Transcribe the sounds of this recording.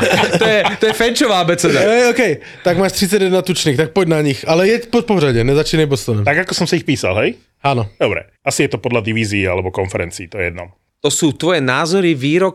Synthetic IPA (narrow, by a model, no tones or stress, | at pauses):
t̪ɔjɛt̪ɔjɛfɛnt͡ʃɔʋaːbɛt͡sɛd̪aɦɛjɔːkɛj | t̪aɡmaːʃt̪ɾit͡saɟjɛd̪nat̪ut͡ʃniːxt̪ak̚pɔɟnaɲixalɛjɛcpɔt̪̚pɔɦɾaɟɛnɛzat͡ʃiːnajbɔst̪ɔnɛmt̪aɡakɔsɔmsiixpiːsa̰lɦɛj | anɔd̪ɔbɾɛ̰ | asijɛt̪ɔpɔd̪lad̪iʋiːziːa̰lɛbɔkɔnfɛɾɛnt͡siːt̪ɔɛɛ̰d̪̚nɔ̰m | t̪ɔsuːt̪ʋɔjɛnaːzɔɾiʋiːɾɔk